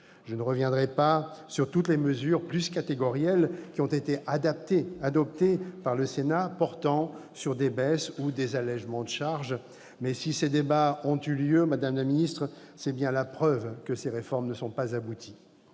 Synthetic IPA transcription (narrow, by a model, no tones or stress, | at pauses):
ʒənəʁəvjɛ̃d̪ʁɛpasyʁt̪ut̪leməzyʁplyskat̪eɡɔʁjɛlkʲiɔ̃t̪et̪eʔad̪ap̚t̪ead̪ɔp̚t̪epaʁləsenapɔʁt̪ɑ̃syʁd̪ebɛsud̪ezalɛʒmɑ̃d̪əʃaʁʒ | mɛsised̪ebaɔ̃t̪yljømad̪amlaminist̪χə | sɛbjɛ̃lapχœvkəseʁefɔʁmnəsɔ̃pazabut̪ʰi